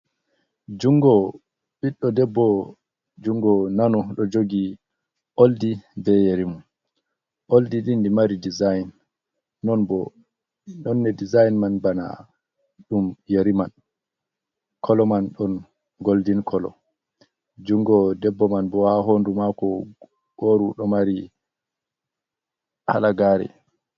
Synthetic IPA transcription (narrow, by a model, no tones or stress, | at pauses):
d͡ʒuŋɡɔ | ɓiɗːɔdɛbːɔ | d͡ʒuŋɡɔnanɔɗɔd͡ʒoɡi | ʔoldibɛjeɾimun | ʔoldilindimaɾidizajnː | ɔnbɔ | nɔnːɛdizajnmanbana̰ | ɗumjeɾiman | kʰɔlɔmanɗɔn | ɡoldinkʰɔlɔ̰ | d͡ʒuŋɡɔdɛbːɔmanbɔhaɦondumakɔ | ɡ̥oɾuɗɔmaɾi | ha̰laɡaːɾɛ̰